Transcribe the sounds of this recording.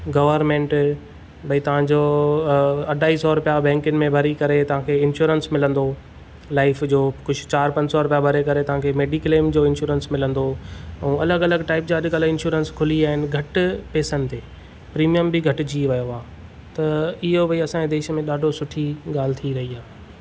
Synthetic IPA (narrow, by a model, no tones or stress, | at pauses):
ɡɐʋəɾmẽːɳʈ | bɐit̪ɐʋ̤ãɲd͡ʑoː | ɐɖʱaːisɔɾʊpijabɛ̃ːŋkənɪ̆mẽbʱɐɾikɐɾet̪ɐʋ̤ãkʰeːɪnʃuːɾənsmɪlə̃nd̪o | laːɪfd͡ʑoːkʊd͡ʑʱʊt͡ɕaːɾpɐ̃ɲd͡ʑsɔɾʊpjabʱɐɾekɐɾet̪ɐʋ̤ãkʰeːmeːɖiklemd͡ʑoːɪ̃nʃuːɾənsmɪlə̃nd̪oɛ̃ːɐləɡɐləɡʈaːɪpd͡ʑaːɗɪɡələɪ̃nʃuːɾənskʰʊliaːɦɪnɪ̆ɡʱɐʈpeːsənɪt̪eː | pɾiːmijəmbɪɡʱɐʈʊ̆d͡ʑiːʋɐjoaː | t̪ɐɪɦobɐiɐsãɲed̪eːʃəmẽɗaːɖʱosʊʈʰiɠaːl̤ɪt̪ʰiɾɐɦiaː